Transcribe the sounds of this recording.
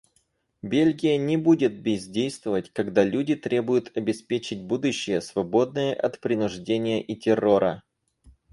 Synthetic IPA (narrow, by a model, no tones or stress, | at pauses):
bʲelʲɡʲɪjənʲɪbudʲɪt̪̚bʲɪzʲdʲejst̪vəvətʲkɐɡd̪alʲudʲɪt̪ɾʲe̞bʊjʊt̪ɐbʲɪspʲet͡ɕɪt̚ʲbud̪ʊɕːɪjəsvɐbo̞d̪nɨjəʔɐt̪pɾʲɪnʊʐdʲenʲɪjəʔitʲɪro̞ɾə̰